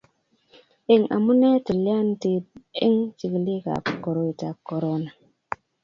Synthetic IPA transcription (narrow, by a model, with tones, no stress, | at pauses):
e˦ŋʔa̰˨mu˦ne˦ti˨li˦a˦nti˨i˦ŋti˨kli˦ka̰˨ko˨ɾo˦i˨ta˨kːo˨ɾo˦na˨